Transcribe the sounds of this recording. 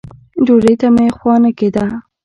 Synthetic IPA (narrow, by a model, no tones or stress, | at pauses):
d͡ʒoɾejt̪amjexwɑnaked̪a